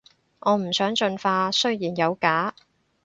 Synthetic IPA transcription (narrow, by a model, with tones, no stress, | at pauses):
ʔɔː˨˧m̩˨˩sœː˨˥ŋt͡ʃɵ˧nfaː˧sɵ˥ɥjiː˨˩njɐ˨˧wkaː˨˥